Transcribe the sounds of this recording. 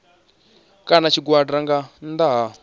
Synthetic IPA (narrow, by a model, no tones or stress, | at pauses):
kanat͡ʃʰiɡwadraŋɡand̪aɦa